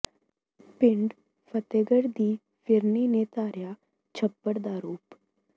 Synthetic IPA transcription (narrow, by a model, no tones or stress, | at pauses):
pɪɳɖ | fət̪eɡəɽd̪iː | fɪɾninet̪aːɾja | t͡ʃʰəpːəɽd̪aɾuːp